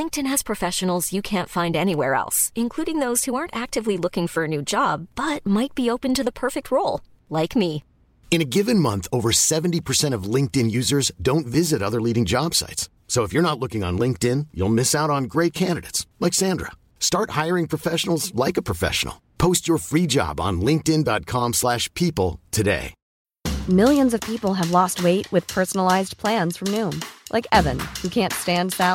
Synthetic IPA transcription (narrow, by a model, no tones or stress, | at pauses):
lɪ̃ŋk̚tɨ̃nɨz̥pʰɹ̥ɨfɛʃɨn̩l̩ˠz̥jɨkʰæ̃ntfãɪ̃ndɛñiwɛ̰ɹɛ̰lˠsɨ̃nkʰl̥uɾɪ̃ŋðoʊz̥huɑɹntæk̚tɨvlilʊkɪ̃ŋfə˞ɨnʉd͡ʒɑb̚bʌt̚maɪt̚b̥ioʊpɨ̃ntɨðəpʰɜ˞fɪk̚t̚ʰɹoʊlˠ | laɪkmi | ɨ̃ñɨɡɪvɨ̃nmʌ̃nθoʊvə˞sɛṽn̩tipʰə˞sɛ̃ɾ̃ʌvlɪ̃ŋk̚tɪ̃njʉzə˞zdõʊ̃ntvɪzɨɾʌðə˞liɾɪ̃ŋd͡ʒɑb̥sa̰ɪts | soʊəfjə˞nətˡlʊkɪ̃ŋə̰̃nlɪ̃ŋk̚tɪ̃njṵlˠmɪsaʊɾn̩ɡɹeɪt̚kʰæ̃ndɨɾɨ̰ɪtslaɪksæ̃ndɹə̰ | stɑɹt̚haɪə˞ɪ̃ŋpʰɹ̥ɨfɛʃn̩l̩ˠzlaɪkəpʰɹ̥əfɛ̰ʃn̩l̩ˠpʰoʊst͡ʃə˞fɹid͡ʒɑ̰b̃n̩lɪ̃ŋk̚tɪ̃ndɑt̚kʰɑ̃mslæʃpʰipl̩ˠtʰɨdḛɪ | mɪlˠjɨ̃nzʌv̥pʰipl̩ˠɨvlɔst̚weɪʔ̚wɨð̥pʰɜ˞sn̩l̩aɪzpʰl̥æ̃nz̥fɹʌ̃mnũmlʔa̰ɪkɛvɨ̃nhʉkʰæ̃ntstæ̃ndðæ